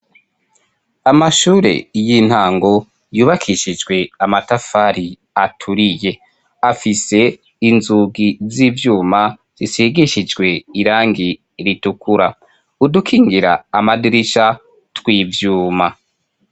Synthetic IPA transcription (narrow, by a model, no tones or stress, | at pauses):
amaʃuːɾḛjin̥haːŋɡo̞ | juːβakʰiʃid͡ʒɡwe̞amatafaːɾi | atʰuɾije̞ | afise̞ | inzuɡiziːvjuːma | z̥isiɡiʃid͡ʒɡwe̞iɾaːŋɡi | ɾitukuɾa | udukʰiːŋɡiɾa̰ːmadiɾiʃa | twiːvjuːma